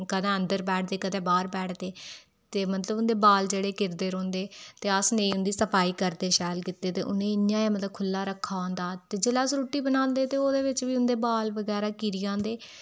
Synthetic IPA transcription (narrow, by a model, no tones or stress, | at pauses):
kəd̪ɛ̃ːə̃nd̪əɾbɛːʈ̚ʰd̪eːkəd̪ɛ̃ːbaːɾpɛːʈʰd̪eː | t̪eːmət̪ləbʊnd̪eːbaːld͡ʒeːɽeːkɪɾd̪eːɾõːnd̪eːt̪eːəsnẽːʊ̃nd̪iːsəpaːiːkəɾd̪eːʃɛːlkɪt̪ːeːt̪ḛːʔʊ̰nẽːɪjãːeːmət̪ləb̚kʰʊlːaːɾəkʰːaːõnd̪aːt̪eːd͡ʒeːlaːsɾoːʈːiːbənãːnd̪eːt̪eːoːd̪eːʋɪt͡ʃʋiːʊnd̪eːbaːlʋəɡɛːɾaːkiːɾɪjãːnd̪eː